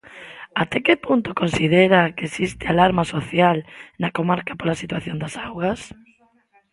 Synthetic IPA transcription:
at̪ɛkepunt̪okonsiðeɾakeesist̪ɪalaɾmasoθjalnakomaɾkapolasit̪waθjond̪asawɣɐs

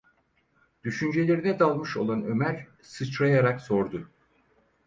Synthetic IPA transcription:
d̪̥yʃynd͡ʒe̞lʲeɾinɛd̪alˠmɯʃo̰lˠanø̞mæɾ | sɯt͡ʃɾajaɾakso̞ɾd̪ʊ

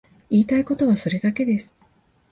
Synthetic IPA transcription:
iːt̪aiko̞t̪o̞β̞aso̞ɾe̞d̪ake̞d̪e̞sɨ̥

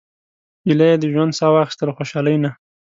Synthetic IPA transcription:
ilajed̪əʒwand̪sɑwɑxɪ̥st̪əlxoʃɑləjna

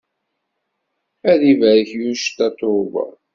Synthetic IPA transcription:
æðivæɾəçjuʃt̪ːæt̪ˤːovɑ̰

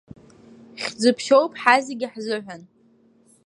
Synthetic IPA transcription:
χʲd͡zɨpʰʃowpʼħazeɡʲɪħzɨħʷan

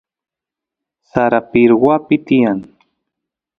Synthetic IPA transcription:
saɾapiɾwapɪt̪ijaŋ

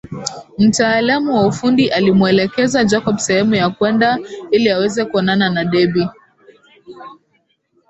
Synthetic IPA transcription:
m̩taːlamuwaufundiʔalimuɛlɛkɛzad͡ʒakɔɓsɛhɛmujakwɛndailiawɛzɛkuɔnananaɗɛɓi

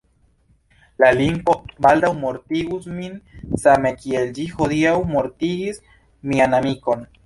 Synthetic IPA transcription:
lalimpobald̪awmo̞ɾt̪iɡusminsame̞kield͡ʒixoðiawmoɾt̪iɡis | mianamiko̞n

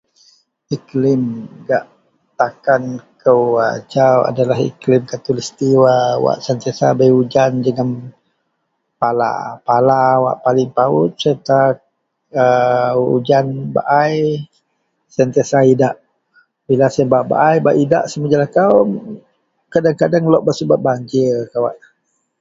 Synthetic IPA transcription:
iklɪmɡaʔ | t̪akankʰəwa̰t͡ʃawa̰dalahḭklɪmkat̪ulist̪iwawa̰ʔsənt̪iasabəjud͡ʒand͡ʒəɡəm | pala̰palawa̰ʔpalɪŋpaʊt̪̚sət̪a | əṵd͡ʒanba̰ʔaj | sənt̪iasaidaʔ | bilasmbaʔba̰ʔajbaʔida̰ʔsəməd͡ʒalahkaw | kadaŋkadaŋlɔʔbəsəbaʔ̪̚baɲd͡ʒəkawaʔ

